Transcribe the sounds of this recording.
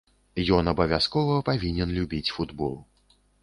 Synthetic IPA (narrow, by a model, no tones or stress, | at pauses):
jɔnɐbɐvʲaskɔvɐpavʲinʲɛnlʲubʲit͡sʲfud̪bɔ̰lˠ